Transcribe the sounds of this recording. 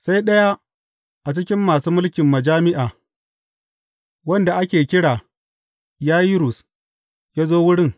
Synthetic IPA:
sa˦jɗɐ˦ja˦ | ʔa˨t͡ʃɪ˦kʲɪ˦mːaː˨suː˦mʊ˦lkʲɪ˨mːɐ˨d͡ʒaː˦mɪ˦ʔaː˨ | wɐ˦nda˨ʔa˦kʲeː˨kʲɪ˦ɽaː˨ | jaː˦ji˦ɾʊ˨s | jaː˦zoː˦wʊ˦ɽɪ˦ŋ

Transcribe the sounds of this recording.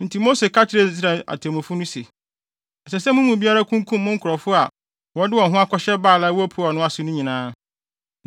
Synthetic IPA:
n̩˨tʰi˨mo˦se˨kʰa˦t͡ɕʰɪ˨ɾe˨˦s̬ɾa˨a̰˨tʰe˨mʊ̃˨fʊ˦nʊ̃˦se˨ | ɛ˨sɛ˨sɛ˦mʊ̃˦mũ˨bi˦a˦ɾa˦kʰũ˦ŋkʰũ˦mː˦ʊ̃˦ŋ̩˦kʰʊ˨ɾɔ˨fʊ˦a˨ | wɔ˦dɪ˦wɔ˨ɦʊ̃˦a˦kʰɔ˨˦ɕɛ˦baː˦˨la˦wɔ˦æ˦pʰʊ˦ɔ˨nʊ̃˦a˨sʊ˨˦nʊ̃˦ɲĩ˨nãː˦

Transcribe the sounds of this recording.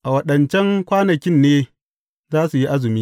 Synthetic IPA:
ʔa˨wɐ˦ɗɐ˨nt͡ʃɛ˦ŋkʷaː˦nɐ˨kʲɪ˦nːeː˦ | zaː˦su˨ji˦ʔa˦zʊ˨miː˦

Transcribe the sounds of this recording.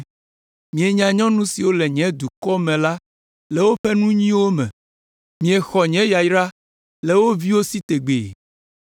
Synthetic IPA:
mĩ˨e˨ɲã˨ɲɔ̃˦nũ˦si˨wo˦le˨ɲɛ̃˨˦d̪u˨kɔ˦mɛ̃˨la˦ | le˨wo˦ɸe˦nũ˦ɲĩ˦wo˦mɛ̰̃˨ | mĩ˨e˨xɔ˨ɲɛ̃˦ja˨jɾa˦ | le˨wo˦vi˦wo˦si˦t̪e˨ɡ͡bḛ˨

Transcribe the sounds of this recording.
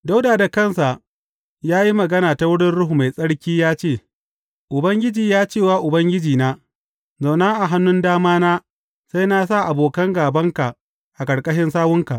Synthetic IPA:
da˦wdaː˨da˨kɐ˦˨nsa˨ʔ | jaː˦ji˦mɐ˨ɡɐ˦naː˨ta˨wʊ˦ɽɪ˦nɽʊ˦ɦu˨ma˨jsʼɐ˦ɽkʲiː˦jaː˦t͡ʃeː˦˨ | ʔʊ˨bɐ˦ŋɡʲɪ˦d͡ʒiː˨jaː˦t͡ʃeː˦˨waː˦ʔʊ˨bɐ˦ŋɡʲɪ˦d͡ʒiː˨naː˦ | za˨wna˦ʔa˨ɦa˦nːʊ˦ndaː˦maː˦naː˦ | sa˦jna˦s̬a˦˨ʔa˨boː˨kɐ˦ŋɡaː˨bɐ˦ŋka˨ʔ | ʔa˨kʼɐ˨ɽkʼɐ˦ʃɪ˦nsaː˦wʊ˦ŋka̰˨ʔ

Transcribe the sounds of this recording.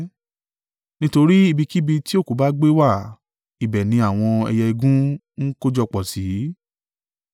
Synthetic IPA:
nĩ˦to˧ɾi˦i˧bi˧ki˦bi˧ti˦o˦˨ko˨˦ba˦ɡ͡be˦wa˦˨ | i˨bɛ˨nĩ˧a˨w̃ɔ̃˧ɛ̰˧jɛ˧i˧ɡũ˦ | n̩˦ko˦d͡ʒɔ˧k͡pɔ˨si˨˦

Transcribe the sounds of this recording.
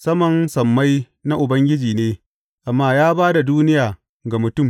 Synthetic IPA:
sɐ˦mɐ˨nsɐ˨mːa˦j | na˦ʔʊ˨bɐ˦ŋɡʲɪ˦d͡ʒiː˨neː˦ | ʔa˨mːaː˦jaː˦baː˦da˨duː˦nɪ˦jaː˨ | ɡa˨mʊ˨tʊ˦˨m

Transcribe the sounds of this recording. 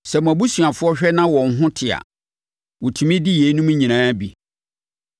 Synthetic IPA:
sɛ˨m̃˨æ˨bu˦su˨a˨fʊ˦ɔ˦ɕᶣɛ˦nã˦wɔ̃˨n̩˦ɦʊ̃˦tʰɪ˨a̰˨ | wʊ˨tʰu˨mĩ˦dɪ˦je˨˦nũ˦m̃˦ɲĩ˨nãː˦bi˨

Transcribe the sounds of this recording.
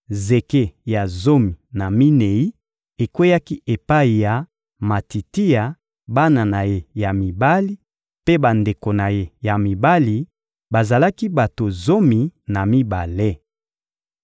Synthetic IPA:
ze˨ke˦ja˨zo˦mi˨na˨mi˦ne˨i˦ | e˨kwe˦ja˦ki˦ʔe˨pa˦i˨ja˨ | ma˨ti˨ti˦ja˨ | ba˦na˨na˨je˦ja˨mi˨ba˦li˦ | pe˦ba˨nde˨ko˨na˨je˦ja˨mi˨ba˦li˨ | ba˨za˨la˦ki˦ba˨to˨zo˦mi˨na˨mi˦ba˨le˦

